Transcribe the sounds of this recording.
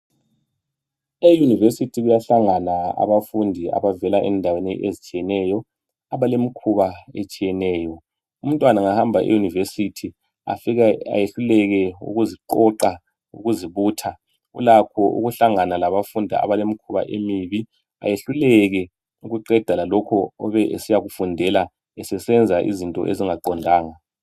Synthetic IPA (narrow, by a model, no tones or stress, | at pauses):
ejunivesitʰiɣujaɬaŋanaa̰βafundʱia̰βavɛlaʔɛndʱaweniʔezit͡ʃʼijɛnɛjɔ | aβalemikʰuβaet͡ʃʼijɛnɛːjɔ | um̩tʼwanaŋahambʱaʔḛjunivesitʰi | a̰fiɣaa̰jeɬulɛɣɛṵɣuziǃɔǃa | ṵɣuziβuːtʰa | ṵlakʰɔʔṵɣuɬaŋanalaβafundʱa̰a̰βalemikʰuβa̰ʔemiβi | a̰jeɬulɛɣɛ | uɣuǃɛd̥ʱalalɔkʰɔɔβɛʔesijaɣufundʱɛla | ɛsɛsɛnd͡zʱaʔḭzintʼɔ̰ʔeziŋaǃɔndʱaːŋa